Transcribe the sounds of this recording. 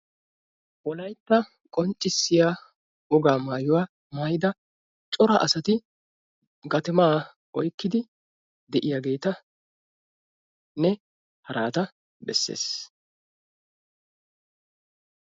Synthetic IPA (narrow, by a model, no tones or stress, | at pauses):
wɔlɐjt̪ːɐ | kʼɔnt͡ʃʼːɪsːɪjaː | ʊɡaːmaːjʊwaː | maːjɪd̪ɐ | t͡ʃʼɔɾɐʔɐsɐt̪ɪ | ɡɐt̪ɪmaː | ʔɔjkːɪd̪ɪ | d̪ɛʔɪjaːɡe̞ːt̪ɐ | nɛ | hɐɾʔaːt̪ɐ | bɛsːḛːs